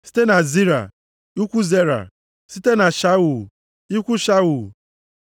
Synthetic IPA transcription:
si̥˦te˦na˨zi˦ɾa̰˨ | u˦kʷu˦ze˦ɾa̰˨ | si˦te˦na˨ʃa˦wu˨ | i˦kʷu˦ʃa˦wu˨

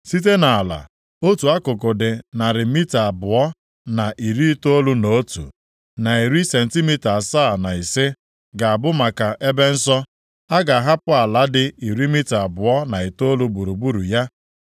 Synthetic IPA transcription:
si˦t̬e˦na˨a˨la̰˨ | o˦tu˨a˦kʊ˨k̬ʊ˨dɪ˨na˨ɾɪ˨mi˦ta˨bʊ˨ɔ˦ | na˨ʔi˨ɾi˦i˦to˦lu˦no˨o˦tṵ˨ | na˨i˨ɾi˦se˨n̩˨ti˦mi˦ta˨sa˦˨na˨i˨sɪ˦ | ɡa˨a˨bʊ˦ma˨ka˨ʔe˦be˦n̩˦sɔ˦ | a˦ɡa˨ɦa˦pʊ˦a˨la˨dɪ˦i˨ɾi˦mi˦ta˨bʊ˨ɔ˦na˨i˨to˦lu˦bu˨ɾu˨bu˦ɾu˨ja˦

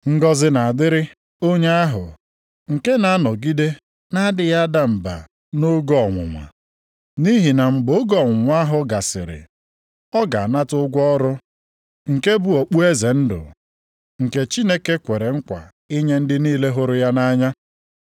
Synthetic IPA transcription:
ŋ̩˦ɡɔ˦zɪ˦na˨a˨dɪ˦ɾɪ˦ | o˦ɲe˦a˦ɦʊ̰˨ | ŋ̩˨ke˦na˨˦nɔ˨ɡi˦de˦ | na˦dɪ˨ja˦da˦m̩˨ba̰˨ | no˦ɡɔ˦˨ŋʷʊ̰˨ŋʷa̰˨ | ni˦ɦi˨na˨ŋ͡m̩˨ɡ͡bo˨˦ɡɔ˦˨ŋʷʊ˨ŋʷ˦a˦ɦʊ˨ɡa˨sɪ̰˨ɾɪ̰˨ | ɔ˦ɡa̰˨na˦tʊ˦ɡʷɔ˦ɾʊ˦ | ŋ̩˨ke˦bu˦o˨k͡pu˦e˦ze˨n̩˦dʊ̰˨ | ŋ̩˨ke˦t͡ʃi˦ne˦ke˦kʷe˨ɾe˨ŋ̩˦kʷa̰˨ | i˦ɲe˦n̩˦dɪ˦niː˦le˦ɦʊ˦ɾʊ˦ja˦na˦ɲa˦

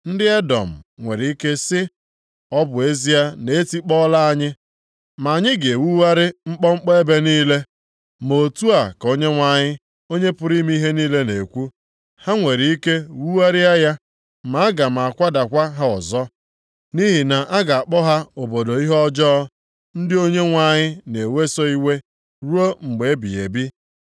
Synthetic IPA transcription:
n̩˦dɪ˦e˦dɔ̰˨m̩˨ŋʷe˨ɾi˨i˦ke˦sɪ˦ | ɔ˦bʊ˨e˦zi˦a˦ne˨e˦ti˦k͡pɔ˦la˦a˦ɲɪ˦ | ma˨a˨ɲɪ˦ɡe˨wu˦wa˦ɾɪ˦ŋ͡m̩˦k͡pɔ˦ŋ͡m̩˦k͡pɔ˦e˦be˦niː˦le˦ | mo˨tu˦a˨ko˦ɲe˦ŋʷa˨ɲɪ˦ | o˦ɲe˦pʊ˦ɾi˦mi˦i˦ɦe˦niː˦le˦ne˨kʷu˦ | ha˦ŋʷe˨ɾi˨i˦ke˦wu˦wa˦ɾɪ˦a˦ja˦ | ma˨˦a˦ɡa˨m̩˨a˨kʷa˦da˨kʷa˦ɦa˦ɔ˨zɔ˦ | ni˦ɦi˨na˨ʔa˦ɡa˨a˨k͡pɔ˦ɦa˦o˨bo˨do˨i˦ɦɔ˦d͡ʒɔ˦ | n̩˦dɪ˦o˦ɲe˦ŋʷa˨ɲɪ˦ne˨we˦sɔ˦i˦we˦ | ɾu˦o˦ŋ͡m̩˨ɡ͡be˨e˦bḭ˨ḛ˨bi˦

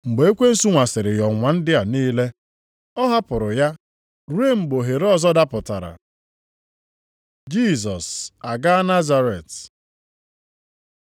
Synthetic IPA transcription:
ŋ͡m̩˨ɡ͡be˨e˦kʷe˦n̩˦su˦ŋʷa˨sɪ˨ɾɪ˨jɔ˨ŋʷa˨n̩˦dɪ˦a˨niː˦le˦ | ɔ˦ɦa˦pʊ˨ɾʊ˨ja˦ | ɾu˦e˦ŋ͡m̩˨ɡ͡bo˨ɦe˨ɾɔ˦zɔ˦da˦pʊ˨ta˨ɾa̰˨ | d͡ʒi˦zɔ˨sa˨ɡa˦a˦na˦za˦ɾe˨t

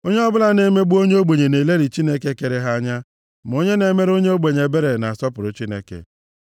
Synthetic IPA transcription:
o˦ɲe˦ɔ˦bʊ˦la˦ne˨˦me˦ɡ͡bu˦o˦ɲe˦o˦ɡ͡be˨ɲe˨ne˨le˦ɾi˨t͡ʃi˦ne˦ke˦ke˨ɾe˦ɦa˦ɲa˦ | m̩˨o˦ɲe˦ne˨˦me˦ɾo˦ɲe˦o˦ɡ͡be˨ɲe˨be˦ɾe˨na˨a˨sɔ˦pʊ˨ɾʊ˨t͡ʃi˦nḛ˦kḛ˨

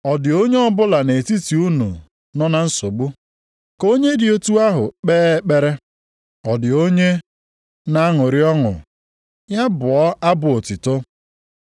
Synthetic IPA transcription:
ɔ˨dɪ˨o˦ɲe˦ɔ˦bʊ˦la˨ne˨ti˦ti˨u˦nṵ˨ | nɔ˦na˦n̩˦so˨ɡ͡bu˦ | ko˦ɲe˦dɪ˨o˦tu˦a˦ɦʊ˨k͡peː˦k͡pe˦ɾe˦ | ɔ˨dɪ˨o˦ɲe˦ | na˦a˦ŋʊ˨ɾɪ˦ɔ˦ŋʊ̰˨ | ja˦bʊ˨ɔ˦a˦bʊ˨o˨tɪ˨to˦

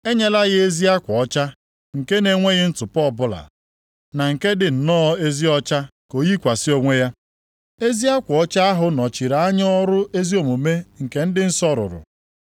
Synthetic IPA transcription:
e˦ɲe˦la˦ɣɪ˦e˦zi˦a˦kʷɔ˨ɔ˦t͡ʃa˦ | ŋ̩˨ke˦ne˨ŋʷe˦ɣɪ˦n̩˦tʊ˨pɔ˦˨bʊ˦la̰˨ | na˨ŋ̩˨ke˦dɪ˨n̩˨nɔ˦e˦zi˦ɔ˦t͡ʃa˦ko˨ji˦kʷa˨sɪ˦o˦ŋʷe˦ja˦ | e˦zi˦a˦kʷɔ˨ɔ˦t͡ʃa˦a˦ɦʊ˨nɔ˨t͡ʃi˨ɾa˨a˦ɲɔ˦ɔ˦ɾʊ˦e˦zi˦o˨mu˨me˦ŋ̩˨ke˨n̩˦dɪ˦n̩˦sɔ˦ɾʊ̰˨ɾʊ̰˨

